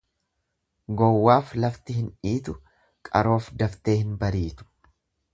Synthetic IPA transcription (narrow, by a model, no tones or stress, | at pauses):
ɡɔwːaːflɐft̪ɪɦɪnᶑiːt̪ʊ | kʼɐ̰ɾo̞ːfd̪ɐft̪e̞ːhɪnbɐɾiːt̪ʊ̥